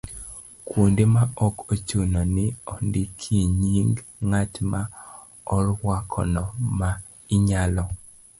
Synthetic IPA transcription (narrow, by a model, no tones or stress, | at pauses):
kwondemaɔkot͡ʃunɔnɪɔndikʰiɲiŋɡŋatma | ɔrwakʰɔ̰nɔma | ɪɲalɔ